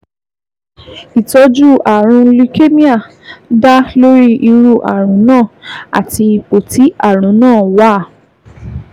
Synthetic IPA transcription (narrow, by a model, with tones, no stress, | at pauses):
i˨tɔ˧˦d͡ʒu˦˨ʔa˨ɾ̃ũ˧li˧ke˦mĩ˦a˦˨ | da˦lo˦ɾi˦ʔi˧ɾu˦˨ʔa̰˨ɾ̃ũ˨˦nãː˦˨a̰˨ti˧i˧k͡po˨ti˨˦a˦˨ɾ̃ũ˨˦nãː˦˨wa˦˨